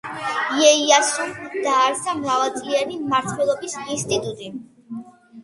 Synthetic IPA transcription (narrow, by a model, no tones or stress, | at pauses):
jɛiasɔd̪aːɾsamɾavɛlˠt̪sʼlianimaɾt̪ʰwɛlˠɔbisinst̪ʼit̪ʼut̪ʼi